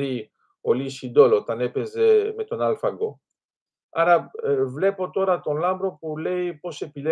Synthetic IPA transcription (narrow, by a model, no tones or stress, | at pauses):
ɾi | oliʃid̪olot̪anepezemet̪onalfaɡo | aɾavle̞po̞t̪oɾat̪onlambɾopulejpoʃepile